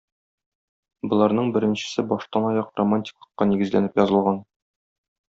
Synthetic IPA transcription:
bɤ̆lˠɑɾnɤɴbɘ̆ɾɘ̆nɕɘ̆sɘbɒʃt̪ɑnɒjɑqromanʲtʲi̥klˠɤ̆qːɑniɡɘ̆zlænɘpjɒzɤ̆lˠʁɑn

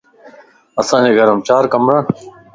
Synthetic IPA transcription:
əsãːd͡ʑeːɡʱəɾəmt͡ɕaːɾkɐmɾãːn

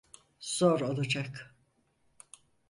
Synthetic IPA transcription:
z̥oɾo̞lˠad͡ʒak

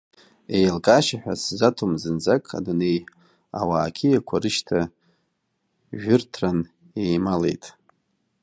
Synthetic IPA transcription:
ejalkʼaʃaħᶣʷa̰szatʰumzɨnd͡zakʼa̰dune̞j | a̰waːkʲʰijakʷʰarɨʃtʰa | ʒᶣʊrtʰran | e̞jmale̞̰jtʼ

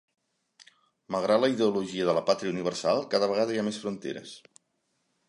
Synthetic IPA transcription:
məlˠɣɾat̪ləiðəuluʒiəðələpat̪ɾiəuniβərsalˠkaðəβəɣaðəiamesfɾunt̪ḛɾə̰s

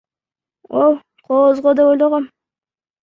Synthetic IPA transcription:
olˠ | qʰozʁod̪epojlˠoʁom

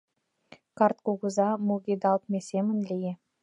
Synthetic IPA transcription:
kɑrt̪̚kuɡuzɑmuɡʲid̪ɑlˠt̪̚mʲesemə̆nlʲeje

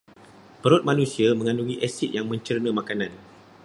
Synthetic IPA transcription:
pəɾʊt̪̚mãnũsiamə̃ŋãnuɡiʔɛsit̪̚jaŋmə̃ɲt͡ʃərnə̃mãkanãn

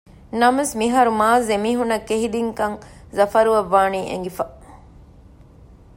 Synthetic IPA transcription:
nɐmesmiɦɐɾumaːzemiːɦunːɐkːeɦid̪iŋkɐŋzɐfɐɾuʋɐʋːaːniːʔḛŋɡifɐ

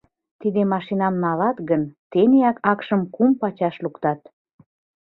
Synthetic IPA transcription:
t̪id̪emɑʃinɑmnɑlɑt̪ɣənt̪eneɑkɑkʃəmkumpɑt͡ɕɑʃlukt̪ɑt̪

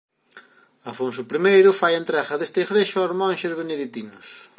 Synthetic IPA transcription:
afonsʊpɾimejɾʊfajent̪ɾɛɣɐðest̪eɣɾeʃʊoɾmɔ̃nʃezβeneðit̪inʊs

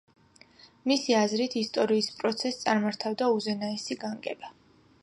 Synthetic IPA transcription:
misiazɾit̪ʰist̪ʼɔɾiːspʼɾɔt̪sʰɛst̪sʼaɾmaɾt̪ʰavd̪auzɛnaɛsiɡaŋɡʼɛ̰ba

